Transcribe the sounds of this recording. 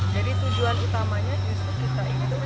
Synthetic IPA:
d͡ʒadit̪ud͡ʒuanut̪amaɲakiskokit̪aʔinid̪u

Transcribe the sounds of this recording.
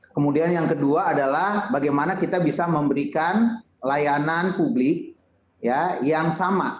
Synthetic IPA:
kəmudianjaŋkəduaːdalahbaɡajmanakit̪abisaməmbəɾikan | lajananpublɪk̚ | jajaŋsama

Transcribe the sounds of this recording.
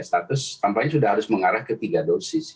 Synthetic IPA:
st̪at̪ʊst̪ampaɲasudahɦaɾʊsməŋaɾahkət̪iɡadosɪs

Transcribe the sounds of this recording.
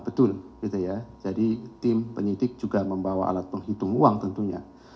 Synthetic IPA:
bət̪ʊlɡit̪ujad͡ʒadit̪ɪmpəɲidɪk̚d͡ʒuɡaməmbawa̰a̰lat̪̚pəŋɦit̪ʊŋuaŋt̪ənt̪uɲa̰

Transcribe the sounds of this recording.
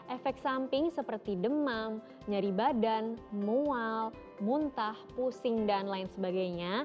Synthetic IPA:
ʔɛfɛk̚t̪sampɪŋsəpərt̪idəmam | ɲaɾibadanmual | munt̪ahpusɪŋdanlaɪnsəbaɡajɲa

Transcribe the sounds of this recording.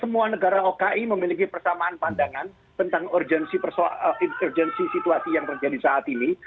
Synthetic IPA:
səmuanəɡaɾaokaʔiməmilik̬ipərsamaanpandaŋan | t̪ənt̪aŋɔrd͡ʒɛnsipərsrd͡ʒɛnsisit̪uasijaŋt̪ərd͡ʒadisaːt̪ini

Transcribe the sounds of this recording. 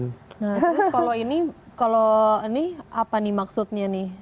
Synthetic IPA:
naht̪ɾʊskaloinikalonɪhapanimaksut̪̚ɲanɪh

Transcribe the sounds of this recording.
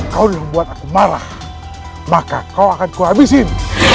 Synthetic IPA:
kaudihubuat̪̚akumaɾa̰h | maka̰kauakankuɦabisin

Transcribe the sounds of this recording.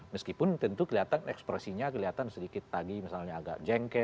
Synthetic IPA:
məskipʊnt̪ənt̪ukəliɦat̪anɛkspɾɛsiɲakəliɦat̪ansədikɪt̪̚laɡimisalɲaːɡa̰k̚d͡ʒɛŋkɛ

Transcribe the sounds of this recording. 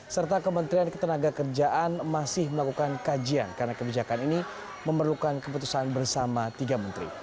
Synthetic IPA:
sərt̪akəmənt̪ɾiankə̥t̪ənaɡakərd͡ʒaʔanmasɪhməlakukankad͡ʒia̰nkaɾənakəbid͡ʒakanini | məmərlukankəput̪usanbərsamat̪iɡamənt̪ɾḭ

